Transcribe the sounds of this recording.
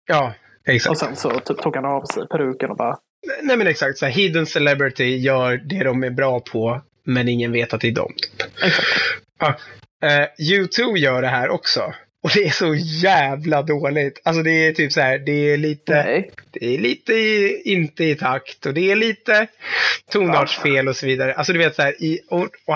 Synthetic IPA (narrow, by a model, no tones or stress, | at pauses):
jɑː | ɛksa̰ɔsɛnsɔt̪ʰyːp̚t̪uːɡhanɑːvsɛ̰jpʰɔɾʉ̟ːkənɔbɑ̰ːɾa | nɛɪmɛnɛksak̚t̪sæːɾɦiːd̪ənsɛlɛbɾɪt̪ɪjœːɾɖɛd̪ɔmæɾbɾɑːpʰɔ | mɛnɪŋːənveːt̪at̪̚d̪ɛːd̪ɔ̰mt̪ʰy̥ːpɛksa | ʔɑː | jʉːt̪ʰʉːbjœːɖɛɦæːɾʔɔ̰ksɔ̰ | ɔd̪ɛæʂɔjæːvlad̪oːlɪɡt̪ʰals̬ɔd̪ɛːt̪ʰyːpsaæːɖɛːɭiːt̪əd̪̥ɛːɭiːt̪əɪɪnt̪əɪt̪ʰakt̪ɔd̪ɛæɭiːt̪ət̪ʰuːnɑːdʂfeːlɔsɔviːd̪aɾəʔalsɔd̪ɵveːt̪saæːɾʔɪɔ